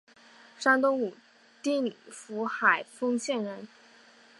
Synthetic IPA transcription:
ʂa˥ŋt̪ʊ˥ŋu˨˩ | t̪i˥˩ni˨˩fu˧˥xa˨˩ɪfɤ˥ŋɕjɛ˥˩nɻə˧˥n

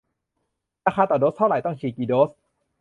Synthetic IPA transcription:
ɾaː˧xʰaː˧t̪ɔː˨˩doː˦˥st̪ʰa˥˩wɾa˨˩˦jt̪ɔ˥˩ŋt͡ɕʰiː˧˩kiː˧˩doː˦˥s

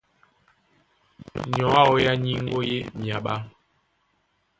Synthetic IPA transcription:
ɲɔ̃˨˦a˦˨wo˦ja˦ɲi˦ŋ˦o˦je˦mja˨ɓa˦

